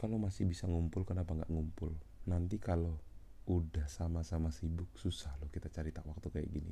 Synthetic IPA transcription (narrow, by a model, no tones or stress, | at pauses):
kalomasihbisaŋumpʊlkərnapaŋɡa̰ʔŋumpʊlnant̪ikaloudahsamasamasibʊk̚susahlɔhkit̪at͡ʃaɾit̪akwak̚t̪ukaja̰ʔɡinḭ